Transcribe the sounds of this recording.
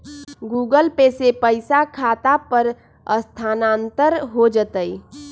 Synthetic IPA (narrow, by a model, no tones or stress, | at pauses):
ɡuːɡəlpesepəɪsakʰaːt̪apəɾ | əst̪ʰaːnãːnt̪əɾɦod͡ʒət̪əi